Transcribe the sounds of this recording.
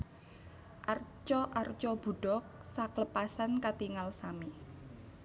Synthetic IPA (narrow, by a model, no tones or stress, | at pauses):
ʔart͡ʃɔʔart͡ʃɔb̥ṳɖ̥ɔk̚sakləpasankat̪iŋalsami